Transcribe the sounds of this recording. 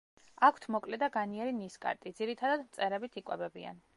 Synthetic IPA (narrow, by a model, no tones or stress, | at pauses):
akʷʰt̪ʰmɔkʼlɛd̪aɡaniɛɾiniskʼa̰ɾt̪ʼid̪ziɾit̪ʰad̪ad̪mt̪sʼɛɾɛbit̪ʰikʼwɛbɛbḭa̰n